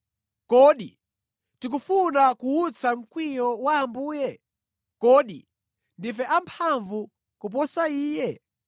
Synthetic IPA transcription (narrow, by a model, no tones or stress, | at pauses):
kɔɗi | tik̬ufunakuut͡sʰam̩kwijɔwaːmbuːjɛ | kɔːɗḭ | ndifɛʔampʰaɱvu | kup̬ɔsaiːjɛ